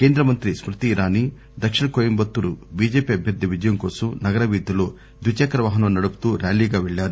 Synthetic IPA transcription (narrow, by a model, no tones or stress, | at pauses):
ke̞ːnd̪ɾɐmɐnt̪ɾismɾut̪iːɾaːni | d̪ɐkʂiɳɐkoːjɐmbɐt̪ːuɾubiːd͡ʒeːpiɐbʱjɐɾd̪ʱjɐʋid͡ʒɐjɐmkoːsunɐɡɐɾɐʋiːd̪ʱjɐloː | d̪ʋut͡ʃaːkɐɾɐʋaːɦɐnɐmnɐɽupu̥t̪uːɾaːliːɡaːʋeɭːaːɾu